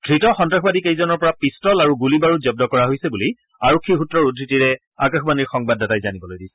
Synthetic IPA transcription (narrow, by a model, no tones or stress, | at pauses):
dʱɹitɔxɔntɹaxbadikejzɔnɔɹpɔɹapistɔlaɹuɡulibaɹuzɔb̚dɔkɔɹaɦojsɛbuli | aɹokʰːiɦutɹɔɹudʱɹitiɹɛ | akaxbaniɹxɔŋbadːatajzanibɔlojdisɛ̥